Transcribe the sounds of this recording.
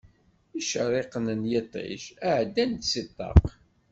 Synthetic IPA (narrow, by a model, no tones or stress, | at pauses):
iʃəɾˤeqənənjɪt̪ˤḭʃæʕd̪ːænt̪sit̪ˤːɑ̰q